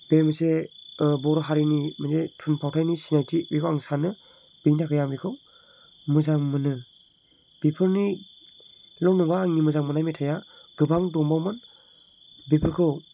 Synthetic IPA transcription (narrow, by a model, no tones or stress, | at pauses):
b̥emɯsebɔɾɔɦaɾinimɯzetʰunpʰawtʰajnisinajtʰibikʰowaŋsanɯ | b̥ijnakʰɯjambikʰɯw | mɯzaŋmɯnɯ | b̥ipʰɯɾni | lɔwnɔŋaŋimɯzaŋmɯnajmetʰajaɡɯbaŋdɔmbawmɯn | bipʰɯɾkʰɯw